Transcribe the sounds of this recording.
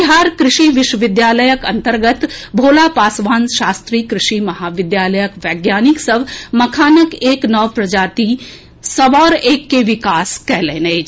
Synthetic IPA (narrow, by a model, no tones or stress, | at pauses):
ɦaːɾkɾɪʃiʋɪʃwəʋɪd̪jaːləjəkɐ̰̃nt̪əɾɡət̪bʱoːlaːpaːsʋaːnʃaːst̪ɾiːkɾɪʃimɐɦaːʋɪd̪jaːləjəkʋɛːɡjaːnɪksəbmɐkʰaːnəkeːknɔːʋpɾɐd͡ʒaːt̪i | sɐbɔːɾeːkːeʋɪkaːskɛɦleːneː